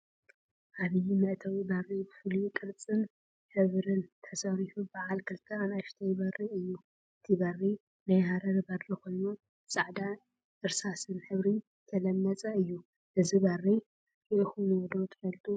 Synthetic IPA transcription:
ʔaβɨjmɨʔt̪ʰawibɐrːibɨfɨlukʼɨɾt͡sʼɨn | ħɨβɾɨnt̪ʰɐsɐɾifubaʕalkʰɨlt̪ʰɐanaʃt̪ʰɐjbɐriɨjːu | ʔɨt̪ʰibɐrːi | najhaɾɐdbɐd̪ɾiko̞jnu | sʼaʕd̪a | ʔɨɾsasɨnħɨβɾi | k̪ʰɐlɐmːɐt͡sʼɐɨjːu | ʔɨzibɐri | kɨxunwɔd̪ot̪ʰɨfɐlt̪ʰu

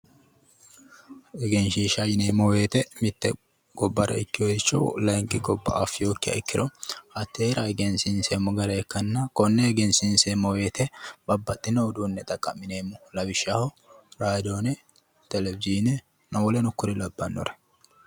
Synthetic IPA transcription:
ɛɡɛnʃiːʃɐjɪneːmːɔweːt̪ɛmɪt̪ːɛ | ɡ̥ɔbːɐɾɐ̰ɪkːɪjɔɪt͡ʃːɔlɐŋkʼɪɡɔbːɐʔafːɪjoːkːɪjɐ̰ɪkːɪɾɔhɐt̪ːeːɾɐɛɡɛnsɪnseːmɔɡɐɾɛːkːɐnːɐkɔnːɛɛɡɛnsɪnseːmːɔwe̞ːt̪ɛbɐbːɐt̪ʼːɪnɔːd̪unːɛt̪ʼɐkʼːɐmːɪneːmʊlɐbɪʃahɔ | ɾaːd̪onɛ | t̪ɛlɛbɪziːnɛ | nɐwɔlɛnɔkːʊɾɪlɐbːɐnːɔ̰ɾɛ

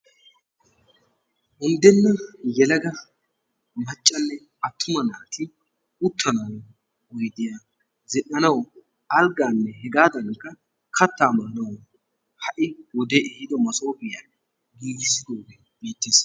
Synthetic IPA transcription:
ʔʊnd̪ɛnːɐjɛlɐɡɐ | mɐt͡ʃʼːɐnːɛ | ɐt̪ʰːʊmɐnaːt̪ʰɪ | ʊt̪ʰːɐnɐw | wɔjd̪ɪja | zɛɗɐnɐw | ɐlɡaːnːɛɦɛɡaːd̪ɐŋkːɐ | kʰɐt̪ːaːmɐːnɐwɔ | hɐʔɪwɔd̪ɛʔɛhɪd̪ɔmɐso̞ːbɪja | ɡiːɡɪsːɪd̪oːɡɛ | beːt̪ːeːs

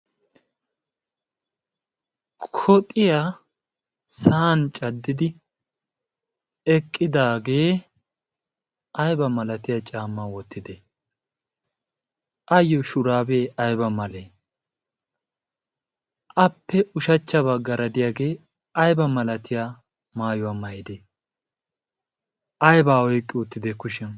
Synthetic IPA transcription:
kʰɔt̪ʼɪja | saːnt͡ʃʼɐd̪ːɪd̪ɪ | ɛkʼːɪd̪aːɡe̞ː | ɐjbɐmɐlɐt̪ɪjat͡ʃʼaːmːaːwɔt̪ːɪd̪e | ʔɐjɔʃʊɾaːbe̞ːɐjbɐmɐleː | ʔɐpːɛʊʃɐt͡ʃːɐβɐɡɐɾɐd̪ɪjaːɡe̞ː | ɐjbɐmɐlɐt̪ɪjaː | maːjʊwaːmɐjɪd̪e | ʔɐjbaːɔjkʼːɪʊt̪ːɪd̪ɛkʊʃɛn

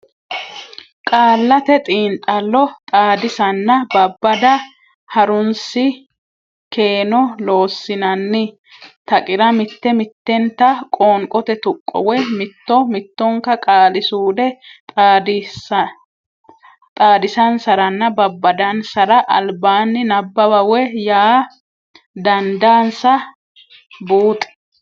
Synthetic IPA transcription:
kʼaːlːɐt̪ɛt̪ʼiːnt̪ʼɐlːɔt̪ʼaːd̪ɪsɐnːɐbɐbːɐd̪ɐ | hɐɾʊnsɪ | ke̞ːnɔlo̞ːsːɪnɐnːɪ | t̪ɐkʼɪɾɐmɪt̪ːɛmɪt̪ːɛnt̪ɐkʼoːŋkʼɔt̪ɛt̪ʊkʼːɔ̰wɛmɪt̪ːɔmɪt̪ːɔŋkːɐkʼaːlɪsuːd̪ɛ | d̪ | t̪ʼaːd̪ɪsɐnsɐɾɐnːɐbɐbːɐd̪ɐnsɐɾɐʔɐ̰lbaːnːɪnɐbːɐbɐwɛjaː | d̪ɐnd̪aːnsɐ | buːt̪ʼɛ̥

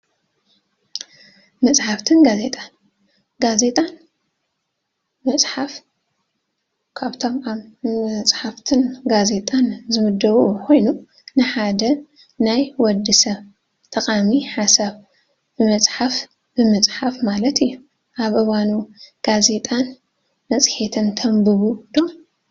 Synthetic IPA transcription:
mɐt͡sʼħaft̪ʰɨnɡaze̞t̪ʼan | ɡaze̞t̪ʼan | mɐt͡sʼħaf | kʰaβt̪ʰo̞mamɐt͡sʼħaft̪ʰɨnɡaze̞t̪ʼanzɨmɨd̪ːɐβukʰo̞jnu | nɨħad̪ɐ | najwɔd̪ɨsɐβ | t̪ʰɐqʼamiħasaβ | bɨmɐt͡sʼħaf | bɨmɨt͡sʼħafmalɐt̪ɨjːu | ʔaβʔɨβanuɡ̥aze̞t̪ʼan | mɐt͡sʼħet̪ʰɨnt̪ʰɐmbɨβud̪̥om

